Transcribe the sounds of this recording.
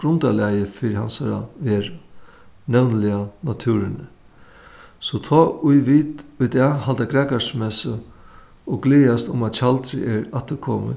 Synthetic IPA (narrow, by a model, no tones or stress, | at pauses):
ɡ̥ɾʊnt̪alæjəfɪɾɪhansaɾa̰ʋeːɾ | nɛwnlɪanat̪ʰʉːɾɪnə | sɔt̪ʰɔːʊjʋiːt̪ʊjd̪ɛhalt̪aɡɾɛːkasmɛsə | ɔɡliːjast̪ʊmat̪ɕalt̪ɾɪ̰ʔɛɾat̪əɾkʰɔːmə̰